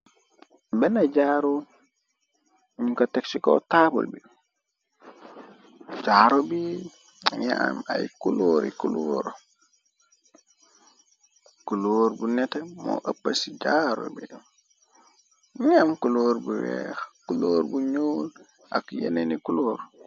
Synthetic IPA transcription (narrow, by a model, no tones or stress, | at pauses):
benaɟaːɾo | ɲukateksiko̰tabṵlbi | d͡ʒaːɾobi | ɲa̰majkuloːɾikuloɾ | kuloːɾbunetemo̰ʔəpːasiɟaɾo̰bi | ɲamkuloːɾbuwɛxkuloːɾbuɲoːl | a̰kjenenikuloːɾ